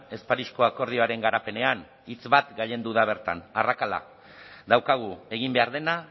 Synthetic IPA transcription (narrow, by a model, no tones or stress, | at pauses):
e̞spaɾisko̞ako̞ɾðio̞aɾe̞ŋɡaɾape̞ne̞an | it͡sβat̪ɡaʎe̞nd̪uðaβe̞ɾt̪a̰narakala̰ | d̪awkaɣ̞ue̞ɣ̞imbe̞aɾð̞e̞na